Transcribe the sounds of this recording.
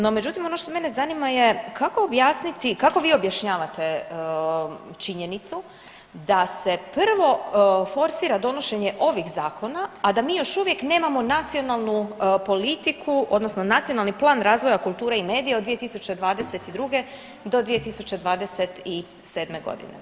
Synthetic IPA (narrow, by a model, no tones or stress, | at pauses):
no̞med͡ʒut̪imo̞no̞ʃt̪o̞me̞ne̞zanimaje̞kako̞objaːsnit̪ikako̞ʋiːo̞bjaʃɲaːʋat̪e̞ | t͡ʃiɲe̞nit̪su | d̪ase̞pr̩ʋo̞fo̞ɾsiːɾad̪o̞no̞ʃe̞ɲe̞ʔo̞ʋixzaːko̞naːd̪amiːjo̞ʃuʋje̞kne̞ːmamo̞nat̪sio̞nalˠnupo̞lit̪ikʰuʔo̞d̪nosno̞nat̪sio̞nalˠniplˠaːnɾaːzʋo̞jakulˠt̪uːɾaime̞ːd̪ijed̪ʋije̞t̪isut͡ɕed̪ʋaːd̪e̞se̞t̪id̪ɾuɡe̞ | d̪o̞d̪ʋije̞t̪isut͡ɕe̞d̪ʋaːd̪ese̞t̪i | se̞ːd̪me̞ɡo̞̰d̪ḭnḛ